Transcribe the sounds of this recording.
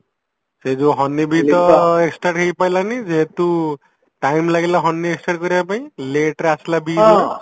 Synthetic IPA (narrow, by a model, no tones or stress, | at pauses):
seduɦʌnːibit̪ʌeksʈaʈkejpajlanid͡zeɦet̪u | ʈajmlaɡelaɦʌnːieksʈaʈɡʌɾjapaĩleʈɾaslabi